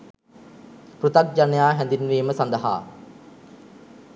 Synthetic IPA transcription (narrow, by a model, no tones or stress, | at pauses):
prut̪ak̚d͡ʒanjaːɦɛnd̪inʋeːməsand̪aɦa̰ː